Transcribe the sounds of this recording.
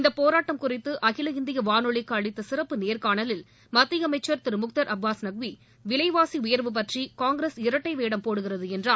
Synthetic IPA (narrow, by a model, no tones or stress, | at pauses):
ɪnd̪ɐpoːɾaːʈːɐmkʊrɪt̪ːɯʔɐɣɪlɐɪnd̪ɪjɐʋaːnɔɭɪkːaːɭɪt̪ːɐsɪrɐpːɯneːɾkaːɳɐlɪl | mɐt̪ːɪjɐmɐɪt͡ʃːɐɾt̪ɪɾɯmʊk̚t̪ɐɾʔɐbʋaːsnɐɡ̚ʋi | ʋɪɭɐɪʋaːsiʊjɐɾʋɯp̬ɐʈrikaːŋɡɾeːsɪɾɐʈːɐɪʋeːɽɐmpoːɽɯɣɪrɐðɯɛndraː